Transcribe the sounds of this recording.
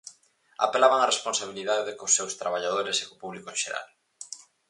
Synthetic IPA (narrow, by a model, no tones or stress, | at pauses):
a̰pelaβaŋaresponsaβ̞iliðaðekosːewst̪ɾaβ̞aʎaðoɾese̥ko̥puβlikoʃeɾa̰l